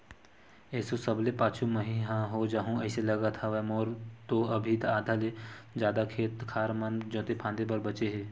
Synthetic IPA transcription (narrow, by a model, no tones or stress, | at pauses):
ɛːsosəblepaːt͡ʃʰuməɦiɦãɦod͡ʒaɦũɛːselɐɡat̪ʰaʋɛmoːɾt̪oɐbʱit̪aːd̪ʱaled͡ʒjaːd̪akʰeːt̪kʰaːɾmand͡ʒõːt̪epʰãːnd̪ebɐɾbɐt͡ʃeɦeː